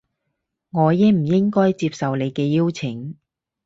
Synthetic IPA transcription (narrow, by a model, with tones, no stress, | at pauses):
ŋɔː˨˧jɪ˥ŋm̩˨˩jɪ˥ŋkɔː˥jt͡siː˧p̚sɐ˨wle˨˧jkɛː˧jiː˥wt͡sʰɪ˨˩ŋ